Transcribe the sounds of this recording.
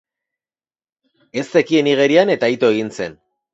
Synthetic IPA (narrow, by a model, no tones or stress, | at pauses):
e̞st̪ekie̞niɣ̞e̞ɾiane̞t̪ait̪o̞eɣ̞int͡se̞̰n